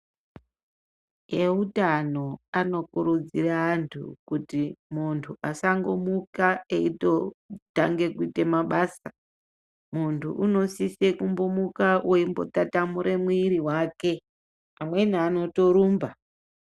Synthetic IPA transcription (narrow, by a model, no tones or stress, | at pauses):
eutano̞ano̞kuɾud͡ziraːntʰṵkutimuntʰuʔasaŋɡo̞mukaeito̞taŋɡe̞kuite̞maɓaːsa | muntʰṵʔuno̞sisekumbomukawʔoimbo̞̰tatamuɾe̞mwiɾiwake̞ | amwe̞niano̞to̞ɾuːmba